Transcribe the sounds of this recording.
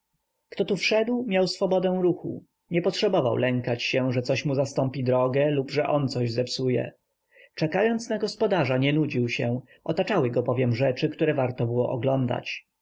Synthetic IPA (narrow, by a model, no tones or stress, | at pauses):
kt̪ɔt̪ufʂɛd̪wmʲjawsfɔbɔd̪ɛ̃w̃ɾuxṵ | ɲɛpɔtʂɛbɔva̰wlɛŋkat͡ɕɕɛʐɛt̪sɔɕmuzast̪ɔmpʲid̪ɾɔɡɛlubʐɛʔɔnt̪sɔʑzɛpsujɛ̰ | t͡ʂɛkajɔnt̪snaɡɔspɔd̪aʐaɲɛnud͡ʑiwɕɛ | ʔɔt̪at͡ʂawɘɡɔbɔvʲjɛmʐɛt͡ʂɘkt̪uɾɛvaɾt̪ɔbɘwɔ̰ʔɔɡlɔnd̪a̰t͡ɕ